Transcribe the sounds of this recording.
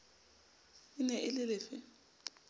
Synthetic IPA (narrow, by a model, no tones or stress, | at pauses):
ɪnɛʔɪlɪlɪːfɪ